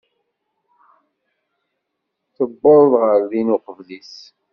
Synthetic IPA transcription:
θəbːoðˤðʁəɾðinʊqəvlis

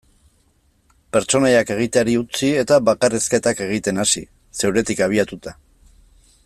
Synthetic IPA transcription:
pe̞ɾt͡ʃo̞najake̞ɣ̞it̪eaɾiut͡sie̞t̪aβakareske̞t̪ake̞ɣ̞it̪e̞nasḭ | se̞wɾe̞t̪ikaβ̞iat̪ut̪a

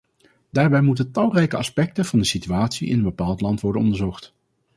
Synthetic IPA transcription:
d̥aːɹbɛjmutəntɑlˠrɛjkəɑspɛk̚təvɑndəsityaːtsiʔɪ̰nənbəpaːlˠtlɑntʋɔɹdənɔ̰ndəɹzɔχt

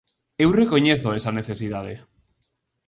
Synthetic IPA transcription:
ewrekoɲeθoesaneθesiðað̞ḛ

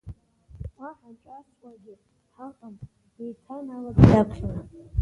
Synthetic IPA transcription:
aħat͡ʃʼat͡sʼkʷʼaɡʲɪ | ħaqʼamʼ | ijtʰanaladjakʷʰχana

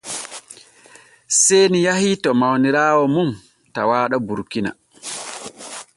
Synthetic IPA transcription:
sejnijahitɔmawniɾaːwɔmum | tawaːɗabuɾkina̰

